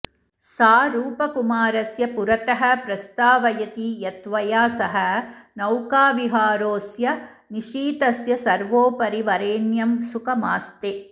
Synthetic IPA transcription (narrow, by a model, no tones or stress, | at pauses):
saːɾuːpɐkumaːɾɐsjɐpuɾɐt̪ɐɦɐ̆pɾɐst̪aːʋɐjɐt̪ijɐt̪ʋɐjaːsɐɦɐnɐwkaːʋiɦaːɾoːsjɐ | niʂiːt̪ɐsjɐsɐɾʋoːpɐɾiʋɐɾeːnjɐmsukɐmaːst̪e